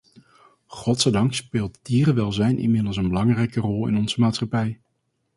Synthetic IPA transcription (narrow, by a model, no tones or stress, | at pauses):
χɔtsɛjdɑŋkspɪːlˠtdiːrəʋɛlˠzɛjnʔḭmɪdəlˠsənbəlɑŋrɛjkərɔlˠɪ̰nɔnz̥əmaːtsχɑpɛj